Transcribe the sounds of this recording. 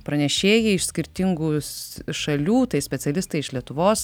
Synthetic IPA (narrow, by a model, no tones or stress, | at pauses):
pɾɐnʲɛʃʲeːjɛɪɪʃsʲkʲɪɾʲt̪ʲɪŋɡuːsʃɐlʲuːt̪ɐɪsʲpʲɛt̪sʲɛlʲɪst̪ɐɪɪʃlʲiɛt̪ʊʋoːs